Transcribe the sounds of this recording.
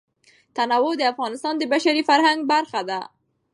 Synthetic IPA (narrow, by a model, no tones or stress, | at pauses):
t̪anawod̪əafɣɑnɪst̪ɑnd̪əbaʃaɾifaɾhaŋɡ̚baɾxad̪a